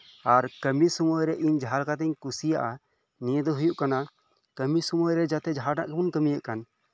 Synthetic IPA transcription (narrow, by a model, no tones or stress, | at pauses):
aɾkəmisɔmɔjɾɛʔiɲd͡ʒʱaɾkat̪ɛɲkusija̰ʔa | nijəd̪ɔɦujuʔkana | kəmisɔmɔjɾɛd͡ʒat̪ɛd͡ʒʱaɽna̰ʔkɛbunkəmijaʔkan